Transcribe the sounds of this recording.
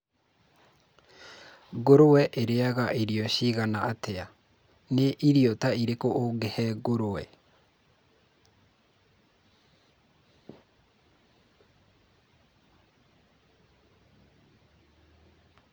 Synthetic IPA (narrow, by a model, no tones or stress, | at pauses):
ɡoɾowɛʔeɾeaɣaʔeɾiɔɕiɣanaatɛa | neʔiɾiɔtaiɾekoʔoɡɛhɛɡoɾowɛ̰